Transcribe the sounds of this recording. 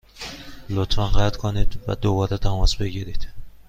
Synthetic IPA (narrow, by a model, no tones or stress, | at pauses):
lot̪ʰfænɢæt̪kʰonid̪væ̰d̪obɒɾet̪ʰæmɒsbe̞ɡiɾid̪̥